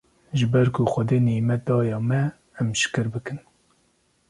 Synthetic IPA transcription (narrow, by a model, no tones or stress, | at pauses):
ʒɨbɛɾkʰʊxʷɛd̪eːniːmɛt̪̚d̪ɑːjɑːmɛ | ɛmʃɨ̥kɨɾbɨkɨn